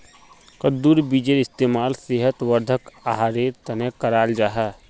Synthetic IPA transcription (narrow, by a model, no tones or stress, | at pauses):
kəd̪uːɾbid͡ʒeɾɪst̪eːmaːlseɦət̪ʋəɾd̪ʱəkaɦaːɾet̪ɐnekɐɾaːld͡ʒaːɦɛ